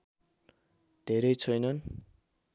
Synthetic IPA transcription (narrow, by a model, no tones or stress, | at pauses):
d̪̥ʱeɾʌjt͡sʰʌjnʌn